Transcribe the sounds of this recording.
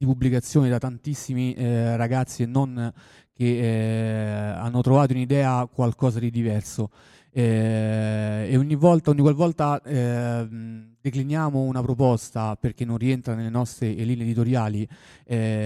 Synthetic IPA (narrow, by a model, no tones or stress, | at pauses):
d̪ipubːlikat̪sːjoːned̪at̪ːant̪isːimiɾaɡat̪sːienːon | ke | a̰nːot̪ɾovaːt̪ounid̪ɛːakwalkɔːzad̪id̪ivɛrso | ɛ | eoɲːivɔlt̪aoɲːikwalvɔlt̪aɛ | d̪eklinjaːmounapɾopɔst̪aperk̟enːonrient̪ɾanelenɔst̪ɾeeliːneːd̪it̪oɾjaːliɛ